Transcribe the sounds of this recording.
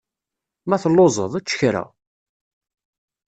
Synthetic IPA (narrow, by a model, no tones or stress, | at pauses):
mæθlːozˤəðˤæt͡ʃːə̥çɾæ̰